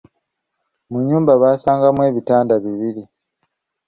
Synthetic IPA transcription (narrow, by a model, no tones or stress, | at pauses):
muɲːuːmbaβaːsaːŋɡamwe̞ːβitaːndaβiβiɾi